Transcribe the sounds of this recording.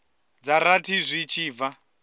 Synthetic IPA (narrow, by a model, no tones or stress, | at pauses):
d͡zaɾatʰizʷit͡ʃʰiːva